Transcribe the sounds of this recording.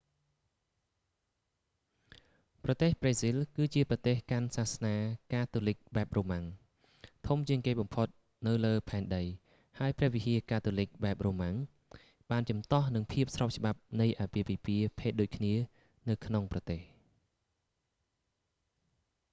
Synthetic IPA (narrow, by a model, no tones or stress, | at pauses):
prɑt̪eːhpreːsilkɨːt͡ɕiəprɑt̪eːhkansahsnaːkaːt̪ulɨk̚ɓaɛp̚roːmaŋ | t̪ʰumt͡ɕiəŋkeːɓɑmpʰot̪̚ | nɨwləːpʰaɛnɗəj | haəjprɛ̆əhʋihiəkaːt̪ulɨc̚ɓaɛp̚roːmaŋ | ɓaːnt͡ɕɑmt̪ɑhnɨŋpʰiəp̚srɑp̚t͡ɕə̆ɓap̚nɨjʔaːpiəpiːpiəpʰeːt̪̚ɗoːc̚kʰniə | nɨwkʰnoŋprɑt̪eːh